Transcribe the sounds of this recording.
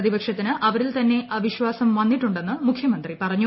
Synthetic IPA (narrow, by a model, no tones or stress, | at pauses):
ðibɐkʂɐt̪ːinɨʔɐʋɐɾilt̪ɐnːe̞ʔɐʋiɕʋaːsɐmʋɐnːiʈːuɳɖe̞nːɨmukʰːjɐmɐnd̪ripɐrɐɲːu